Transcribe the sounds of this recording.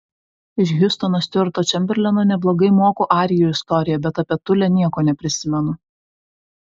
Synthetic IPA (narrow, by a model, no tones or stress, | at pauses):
ɪʃɡʲʊst̪onost̪ʲʋʲɪɾt̪oːt͡ʃʲɛmʲbʲɛɾʲlʲɛnoːnʲɛblˠoːɡɐɪmoːkoʔɑːɾʲɪjoɪst̪ɔɾʲɪjɛbʲɛt̪ɐpʲɛt̪ʊlʲɛnʲiɛkoːnʲɛpʲɾʲɪsʲɪmʲɛnʊ